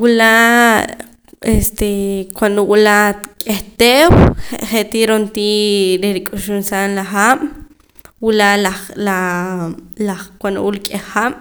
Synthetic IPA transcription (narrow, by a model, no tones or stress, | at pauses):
wula | est̪ekwand̪owulakʼeht̪eweχeʔt̪iɾont̪iːɾeɾikʼuʃunsanlaχam̥ | wulalala | lakwand̪o̰wulkʼeχam̥